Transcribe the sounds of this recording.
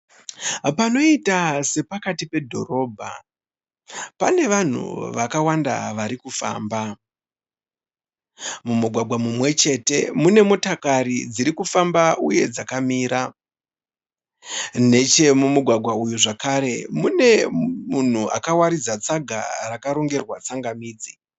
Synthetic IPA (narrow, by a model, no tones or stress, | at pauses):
pano̞itase̞pakatipe̞dʱo̞̰ro̞ːbʱa̰ | pane̞ʋan̤ṵʋakawanda̰ʋaɾikufa̰ːmba | mumuɡʱwaɡʱwamumwe̞t͡ʃe̞te̞mune̞mo̞takaɾid͡ziɾikufambauje̞d͡zakamiːɾa | ne̞t͡ʃe̞mumuɡʱwaɡʱwaujuʐakaɾe̞mune̞mun̤uʔa̰kawaɾid͡zat͡saɡʱa̰rakaɾo̞ŋɡe̞rwat͡saŋɡamiːd͡zi̥